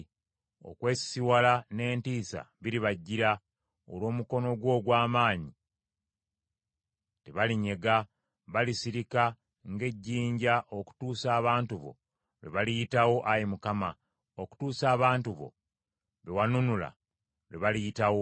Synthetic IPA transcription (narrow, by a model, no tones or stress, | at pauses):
o̞̰kweːsi̥siwalane̞ːntiːsa̰βiɾiβaɟːiɾa | o̰lwo̞ːmuko̞no̞ɡwo̞ːɡwaːmaːɲi | teβaliɲe̞ɡa | βalisiɾika | ŋɡe̞ɟːiːɲɟaʔoku̥tuːsaːβaːntuβo̞̰ | βḛβalijitawo̞ʔajimukama | oku̥tuːsaːβaːntuβo̞̰ | βewanunula̰ | βḛβalijitawo